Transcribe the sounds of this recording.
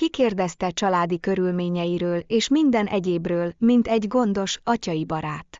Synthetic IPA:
kikeːrd̪ɛst̪ɛt͡ʃɒlaːd̪ikø̞ɾylmeːɲɛjiɾøːleːʃmind̪ɛnʔɛɟeːbrøːlmint̪ɛɟɡo̞nd̪o̞ʃɒcɒjibɒɾaːt̪

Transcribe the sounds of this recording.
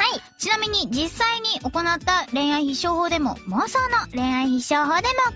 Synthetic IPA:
hai | t͡ɕinamʲiɲ̟id͡ʑisːaiɲ̟iʔo̞ko̞nat̪ːaɾẽ̞ɰ̃aiçiɕo̞ːho̞ːd̪e̞mo̞̰mosoːnoɾẽ̞ɰ̃aiçiɕoːɦo̞ːd̪e̞mo̞

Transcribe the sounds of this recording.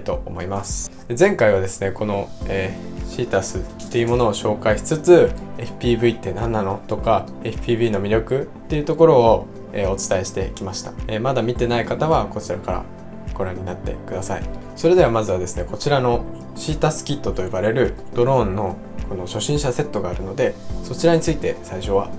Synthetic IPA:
t̪o̞omo̞imasɨ̥ | ezẽ̞ŋkaiβad̪e̞sɨne̞ko̞no̞eːɕiːt̪asɨt̪ːe̞iɯ̟mo̞no̞ːɕo̞ːkaiɕi̥t͡sɨt͡sɨe̞ɸɯ̟̥pʲiːbɯ̟it̪ːe̞nãnːano̞t̪o̞ka | e̞ɸɯ̥pʲiːbɯːno̞mʲiɾʲjo̞kɯ̟t̪ːe̞iɯ̟t̪o̞ko̞ɾo̞ː | eːo̞t͡sɨ̥t̪aeɕi̥t̪e̞ikʲimaɕi̥t̪aeːmad̪amʲit̪e̞naikat̪aβako̞t͡ɕiɾakaɾa̰ | ɡ̥o̞ɾãɲ̟ːinat̪ːe̞̰kɯ̟d̪asaḭ | so̞ɾe̞d̪e̞βamazɨβad̪esɨne̞ko̞t͡ɕiɾano̞ | ɕiːt̪asɨ̥kʲit̪ːo̞t̪o̞ibaɾe̞ɾɯ̟d̪̥o̞ɾõ̞nːo̞ | ko̞no̞ɕo̞ɕĩɰ̃ɕase̞t̪ːo̞ɡaːɾɯ̟no̞d̪e̞so̞t͡ɕiɾaɲ̟it͡sɨit̪e̞saiɕo̞β̞a

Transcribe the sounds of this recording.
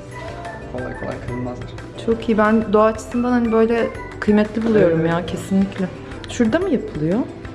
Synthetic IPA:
fʰolˠa̰jfo̰lˠa̰jkʰalɯnˠmazlˠaɾ̥ | t͡ʃʰo̞kʰijibænd̪o̞aːt͡ʃʰɯ̥sɯnd̪anhanibø̞jlʲɛ | kʰɯjmɛt̪ʰlʲibulˠujo̞ɾumjaːcʰe̞sinlːʲiclʲɛ | ʃuɾd̪amɯjapʰɯlˠɯjo

